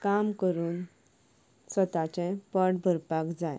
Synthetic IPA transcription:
kamkəɾuːn | sət̪at͡ɕɛ̃pəɽbʱəɾpakd͡zaj

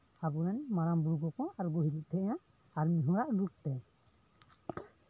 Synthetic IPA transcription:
abɔɾɛnmaɾambuɾɡɔkɔaɾɡoɦiɾiʔ̚t̪ʰɛʔjã | aɾmiɦũɾaʔlup̚t̪ɛ

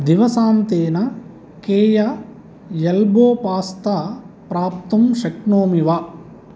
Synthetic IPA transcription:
d̪iʋɐsaːnt̪eːnɐ | keːjɐ | jɐlboːpaːst̪ɐ | pɾaːpt̪ɐmʃɐkɳoːmiʋɐ

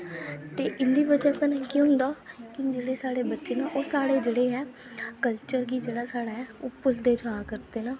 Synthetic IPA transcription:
t̪eːʔɪnd̪iːbəd͡ʒãːkənkĩɦʊ̃nd̪aːkɪd͡ʒeːɽeːsaːɽeːbətːʃeːnaːʔoːsaːɽeːd͡ʒeːɽeːɦɛː | kəlt͡ʃəɾɡiːd͡ʒeːɽaːsaːɽaːɦɛːo̰ːpʊld̪eːd͡ʒaːkəɾt̪eːnaː

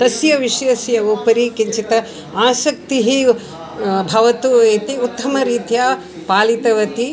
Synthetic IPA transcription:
t̪ɐsjɐʋiʂjɐsjɐupɐɾikiɲt͡ʃit̪ɐ | aːsɐk̚t̪iɦi | bʱɐʋɐt̪ueːt̪iut̪ːɐmɐɾiːt̪jaː | paːlit̪ɐʋɐt̪i

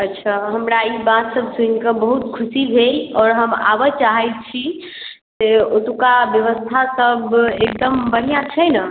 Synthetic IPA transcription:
ət̪ːʃʰaɦəmɾaibãt̪səb̚ʱsunkəbəɦut̪kʰusiɡʱelɔːɾɦəma̰bət͡ʃaɦɛjt̪̚t͡ʃʰi | t̪eot̪ukabjəʋəst̪ʰasəbek̚d̪əmbəɽ̤ijãt͡ʃʰənə

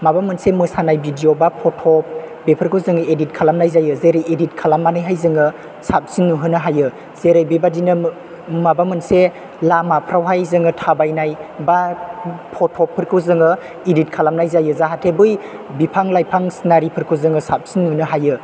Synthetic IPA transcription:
mabamɯnsemɯsanajbidiobapʰɔtʰɔp̚bepʰɯɾkʰɯwzɯŋɯedit̚kʰalamnajzajɯzeɾɯjedit̚kʰalamːanajɦajzɯŋɯ | sap̚sinːuɦɯnɯɦajɯ | z̥eɾajbibadinɯ | mabamɯnse | lamapʰɾawɦajzɯŋɯtʰabajnajba | pʰɔtʰːɔpʰːɯɾkʰɯwzɯŋɯ | idit̚kʰalamnajzajɯzaɦatʰebɯj | bipʰaŋlajpʰaŋsnaɾipʰɯɾkʰɯzɯŋɯsap̚sinːunɯɦajɯ

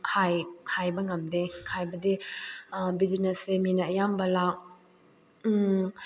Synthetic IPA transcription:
hajhajbɐŋɐmdehajbɐdi | bid͡ʒineseminɐːjambɐlak

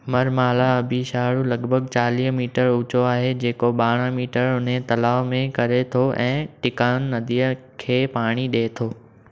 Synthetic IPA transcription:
mɐɾmaːlaɐbʱiʃaːɽulɐɡbʱəɡt͡ɕaːliːɦmiːʈəɾʊt͡ɕoaːɦed͡ʑeːkoɓaːɽ̃ə̃miːʈəɾʊn̤ẽt̪ɐlaːʋmẽkɐɾet̪ʰoʔɛ̃ːʈɪkaːʊnːɐd̪ʱiːəkʰeːpaːɽ̃iɗeːt̪ʰoː

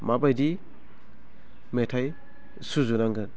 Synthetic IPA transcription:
mabajdi | metʰaj | suzunaŋɡɯ

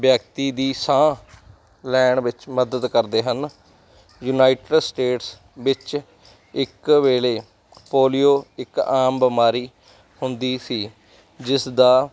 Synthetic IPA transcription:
bjəkt̪iːd̪iːsãː | lɛːɳʋɪt͡ʃməd̪əd̪kəɾd̪eːɦən | juːnaːiʈəɖsʈeːʈs | ʋɪt͡ʃ | ɪkʋeːleː | poːlijoːɪkaːmbəmaːɾiː | hʊnd̪iːsiː | d͡ʒɪsd̪aː

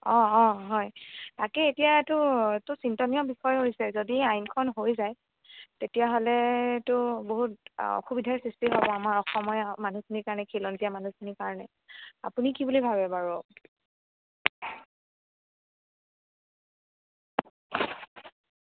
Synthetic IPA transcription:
ɔ̃ɔ̃ɦɔjtakɛetijatʊtʊsintɔniɔbixɔjɦojsɛzodiajnkʰɔnɦojzaj | tetijaɦolɛtʊboɦutɔ̰xubidʱaɹsistiɦabɔamaɹɔxɔmɔjmanukiniɹkaɹɔnɛkʰelɔnziamanukʰinikaɹɔnɛ̰ | a̰punikibulibʱabɛbaɹɔ

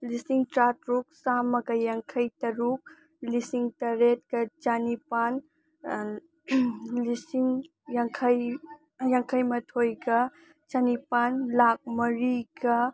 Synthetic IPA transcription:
lisiŋtɾatɾuk̚samɐɡɐjaŋkʰɐjtɐɾuk̚ | lisiŋtɐɾet̚kɐt͡ʃanipan | lisiŋ | jaŋkʰɐj | jaŋkʰɐjmɐtʰojɡɐ | t͡ʃanipanlak̚mɐɾiɡɐ

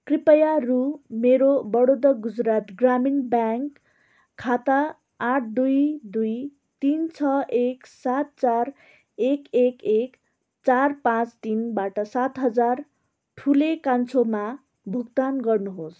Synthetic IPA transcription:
kripʌjarumeɾobʌɽod̪ʌɡud͡zɾat̪ɡraminbjaŋkʰː | at̪aː | ʈʰd̪ujd̪uj | t̪int͡sʰʌʔeksat̪̚t͡sar | ekekek | t͡sarpãt͡st̪inbaʈʌsat̪ɦʌd͡zar | ʈʰulekant͡sʰoma | bʱuk̚t̪anɡʌrnuɦos

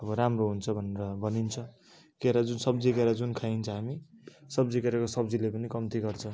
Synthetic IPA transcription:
ʌbʌɾamroɦunt͡sʰʌbʱʌneɾʌbʱʌnint͡sʰʌ | keɾad͡zunsʌbd͡zikeɾad͡zunkʰaint͡sʰʌɦamisʌbd͡zikeɾakosʌbd͡zilepʌnikʌmt̪iɡʌrt͡sʰʌ̃

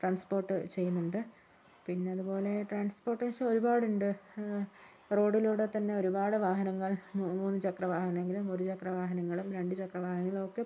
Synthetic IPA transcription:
ʈraːnspo̞ːrʈːɨt͡ɕe̞jːunːuɳɖɨ | pinːe̞ɐðubo̞ːle̞ʈraːnspo̞ːrʈːɨiʂɐmo̞ɾubaːɽuɳɖɨ | ro̞ːɖiluːɽet̪ɐnːe̞oɾubaːɽɨʋaːɦɐnɐŋːɐɭmuːnːɨt͡ɕɐkrɐʋaːhɐnɐmeŋɡilumoɾut͡ɕɐkrɐʋaːɦɐnɐŋːɐɭumɾe̞ɳɖɨt͡ɕɐkrɐʋaːhɐnŋɐŋːɐɭokːe̞

